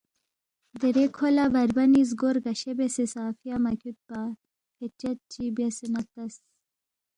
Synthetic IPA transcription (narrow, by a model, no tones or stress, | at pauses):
d̪eɾekʰolabɐɾbɐniz̬ɡoɾɡɐɕebesesaːfijamɐkʲut̪̚pa | kʰet͡ɕɐt̪̚t͡ɕibɐsinɐt̪ɐs